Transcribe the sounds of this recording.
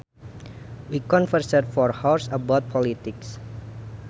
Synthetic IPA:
wikɔ̃nfərsət̚fɔrhawsəbat̪̚pʰɔlit̪ɪks

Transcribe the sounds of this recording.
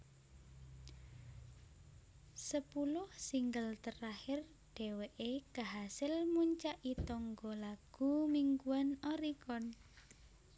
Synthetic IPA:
səpulʊhsiŋɡəlt̪ərahɪr | ɖ̥eweʔekəɦasɪlmuɲt͡ʃaʔit̪ɔŋɡɔlaɡ̥umiŋɡuanɔɾikɔn

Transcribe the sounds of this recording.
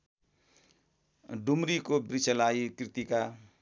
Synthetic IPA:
ɖumɾikobrit͡sʰʌlaikrit̪ika

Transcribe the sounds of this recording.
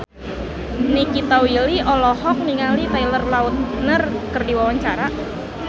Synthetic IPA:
nikit̪ɔwiliʔɔlɔhɔk̚niŋalit̪ajlərlaʊt̪̚nərkərdiwawaɲt͡ʃaɾa

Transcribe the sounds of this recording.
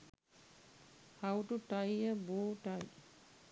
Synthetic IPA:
hawʈuʈajəboːʈaj

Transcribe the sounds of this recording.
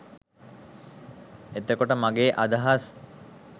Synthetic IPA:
et̪ekoʈəmaɡeːʔad̪aɦas

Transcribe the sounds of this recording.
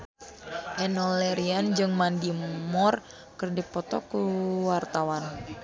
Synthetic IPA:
ʔɛnɔlɛɾiand͡ʒɨŋmandimɔr | kɨrdipɔt̪ɔkuwart̪awan

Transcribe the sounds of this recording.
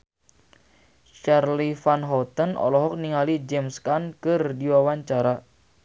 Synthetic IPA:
t͡ʃarlifanɦɔt̪ənɔ̰lɔɦɔk̚niŋalid͡ʒɛmskankɨrdiwawaɲt͡ʃaɾa

